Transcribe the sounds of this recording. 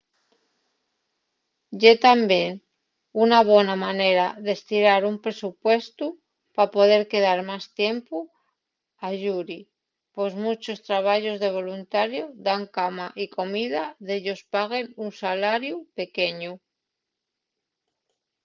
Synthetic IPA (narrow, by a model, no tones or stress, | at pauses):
ɟ͡ʝe̞t̪ambje̞n | unaβ̞wenamane̞ɾaðe̞st̪iɾaɾumpɾe̞supwe̞st̪u | papo̞ð̞e̞ɾke̞ðaɾmast̪je̞mpu | aʝuɾi | po̞zmut͡ʃo̞st̪ɾaβ̞aʝo̞zðe̞β̞o̞lunt̪aɾjoðaŋkamaʔiko̞miðaðe̞ʎo̞spaɣ̞e̞nunsalaɾjupe̞ke̞ɲu